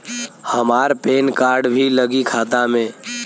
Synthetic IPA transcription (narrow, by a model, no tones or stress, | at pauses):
həmaːɾpeːnkaːɾɖbʱiləɡikʰaːt̪amẽ